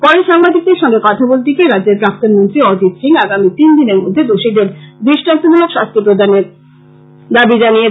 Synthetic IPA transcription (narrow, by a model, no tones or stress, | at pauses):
pɔɾeʃaŋbad̪ik̚d̪eɾʃɔŋɡekat̪ʰabolt̪ikeɾadd͡ʑeɾpɾak̚t̪onmont̪ɾiɔd͡ʑit̪siŋaɡamit̪ind̪ineɾmod̪ʱːed̪oʃid̪eɾb̪ɾiʃʈant̪onilokʃast̪ʰipɾod̪ʱaneɾ | d̪abid͡ʑanije